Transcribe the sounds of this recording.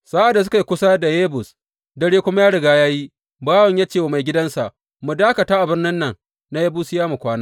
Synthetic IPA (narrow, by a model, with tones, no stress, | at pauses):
saː˦ʔa˨da˨s̬ʊ˦ka˨jkʷʊ˦sa˦da˨jeː˦bʊ˨s | dɐ˦ɽeː˦kʷʊ˦ma˦jaː˦ɽɪ˨ɡaː˦jaː˦ji˦ | baː˦wɔ˨ɲja˦t͡ʃeː˦˨wa˨ma˨jɡʲɪ˦dɐ˦nsa˨ʔ | mu˨daː˦kɐ˨taː˦ʔa˨bɪ˦rnɪ˦nːɐ˨ŋ | na˦je˦bu˦sɪ˦jaː˦mu˨kʷaː˦naː˦